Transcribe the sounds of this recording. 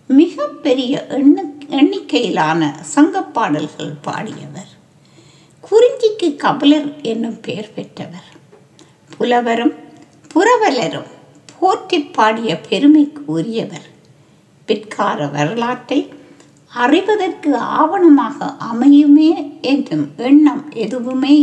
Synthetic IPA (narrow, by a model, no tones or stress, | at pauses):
mɪɣɐpːɛɾɪjɐʔɛɳːɪkːɐjɪlaːnɐ̰sɐŋɡɐpːaːɽɐlɣɐ̰ɭpa̰ːɽɪ̰jɐ̰ʋɐɾ | kʰʊɾɪɲd͡ʒɪkːɯkːɐbɐlɐɾɛnːɯmpeːɐɾpɛʈːɐʋɐɾ | pʰʊlɐʋɐɾɯm | pʊɾɐʋɐlɐɾɯ̰m | pʰoːɾt̪ɪpːaːɽɪjɐpʰɛɾɯmɐɪkːɯʊɾɪjɐʋɐɾ | pɪtkʰaːɾɐʋɐɾɯlaːʈːɐɪ | ɐrɪʋɐðɐrkɯa̰ːʋɐɳɐmaːɣɐ̰ʔɐmɐjɯmeːɛndrɯmɛɳːɐmʔɛðɯʋɯmeː